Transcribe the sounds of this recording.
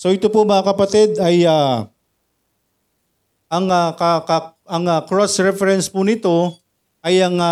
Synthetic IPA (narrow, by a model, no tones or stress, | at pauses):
soʔɪt̪opomɐŋakɐpɐt̪ɪd̪ɐja | ʔɐŋakɐkɐ | ɐŋakɹosɹɛfɛɾɛnspʊnɪt̪o̞ | ʔɐjɐŋa